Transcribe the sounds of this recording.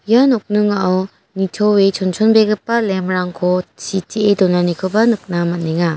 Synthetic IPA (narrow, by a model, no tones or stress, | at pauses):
janɔk̚nɯŋaaw | nitʰɔwet͡ʃʰɔnt͡ʃʰɔnbeɡɯpːalemɾaŋkʰɔt͡ʃʰitiedɔnanikʰɯbanɯk̚namat̚neŋa